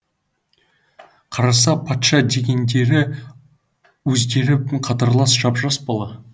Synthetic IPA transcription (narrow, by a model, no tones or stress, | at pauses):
qʰɑɾɑsɑpʰɑt̪ʃɑd̪e̞ɡʲe̞nd̪e̞ɾɪ | wɵzd̪e̞ɾɪpqʰɑt̪ɑɾlˠɑsʒɑpʒɑspɑlˠɑ